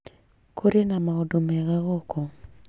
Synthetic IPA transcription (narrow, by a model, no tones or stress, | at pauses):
kʰoɾenamaodomɛɣaɣɔkʰɔ